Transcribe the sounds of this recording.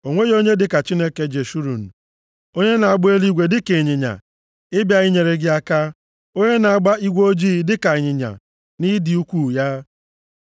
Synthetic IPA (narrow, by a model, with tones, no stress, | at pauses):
o˨ŋʷe˦jo˦ɲe˦dɪ˨ka˨t͡ʃi˦ne˦ke˦d͡ʒe˨ʃu˦ɾu˨n̩˨ | o˦ɲe˦na˨a˨ɡ͡bʊ˦e˦li˦ɡʷe˨dɪ˦ke˨ɲɪ˨ɲa̰˨ | ɪ˦bja˦ɣɪ˦ɲe˨ɾe˦ɡɪ˦a˦ka˦ | o˦ɲe˦na˨a˦˨ɡ͡ba˦i˦ɡʷo˦d͡ʒi˦i˦dɪ˦ka˨ɲɪ˨ɲa̰˨ | ni˦di˨u˦kʷu˦ja˦